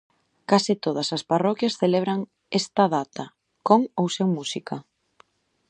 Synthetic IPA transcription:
kasɪt̪oð̞ɐsɐsparɔkjɐsθeleβ̞ɾɐŋ | est̪ɐðat̪ɐ | koŋowsewmusikʰɐ

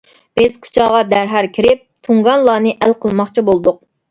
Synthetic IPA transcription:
b̥ɪz̥kʰu̥t͡ʃʰɑʁɑd̪æɾɦæɾkʲʰiɾɪp̚t̪ʰuŋɡɑnlˠɑːnɨʔælqʰəlˠmɑχt͡ʃʰibolˠd̪ʊq̚

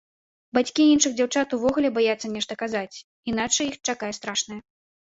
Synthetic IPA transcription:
bat͡sʲkʲiinʂɨɣd͡zʲawt͡ʂat̪uvɔɣulʲɛbajat̪sːɐnʲɛʂt̪ɐkazat͡sʲ | inat͡ʂɐjixt͡ʂakajɛst̪ɾaʂnɐjɐ

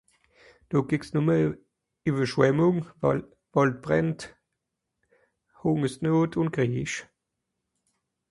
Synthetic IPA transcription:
d̥oɡ̥ɪksnʊmə | yːvəʃwɛmʊŋ | vɔlt̚b̥ʁɛnt | hʊŋəsnoːtʰʊn̚ɡ̥ʁiːʃ

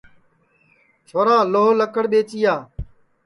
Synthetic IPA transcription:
t͡ʃʰoːɾãːloːɦləkəɽɓeːt͡ʃiːaː

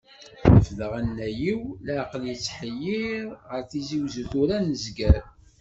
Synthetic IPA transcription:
fðəʁænːæjiwləʕqəljət͡sːħəjːiɾʁəɾθiziwzəθuɾænəzɡæɾ

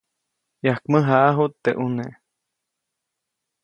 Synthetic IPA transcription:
jahkməɦaʔaɦut̪ːeʔuneʔ

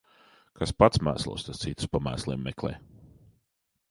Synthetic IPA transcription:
kaspat̪smæ̰ːslˠo̰ːst̪ast̪sit̪u̥spamæːslˠiːmːɛklˠɛ̰ː

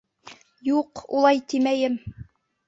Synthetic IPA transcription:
juqṵlˠɑjt̪imæjɘm

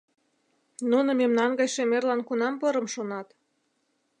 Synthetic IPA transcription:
nunɤ̆memnɑnɡɑjʃemerlɑnkunɑmpɤɾə̆mʃonɑt̪

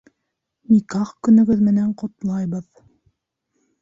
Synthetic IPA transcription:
mikɑχkɵ̆nɵ̆ɡɵðmɘ̆næɴqŏt̪lˠɑjβɤð

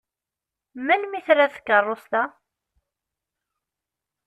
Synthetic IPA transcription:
mænmiθɾaθə̥kːərˤːost̪a

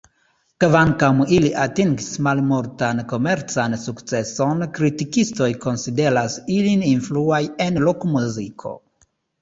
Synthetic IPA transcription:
kvaŋkamiliʔatiŋɡismalmoɾtanko̞me̞ɾt͡sansukt͡se̞so̞nkɾitikisto̞jko̞nside̞ɾasilininfluaje̞nlokmuzikʰo̰

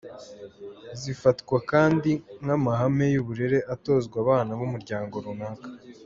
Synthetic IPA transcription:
zifatkwakaːndiŋhamaɦame̞juβuɾe̞ɾe̞ʔato̞zɡwaβaːnaβumuɾɟaːŋɡo̞ɾunaːkḁ

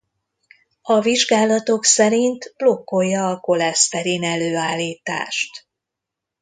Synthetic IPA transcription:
ɒviʒɡaːlɒt̪o̞ksɛɾint̪b̥lo̞kːo̞jːɒːko̞lɛst̪ɛɾiːnɛløːaːlːiːt̪a̰ːʃt̪

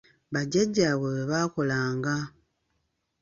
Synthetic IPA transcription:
βaɟaɟaβweβeβako̞laːŋɡa

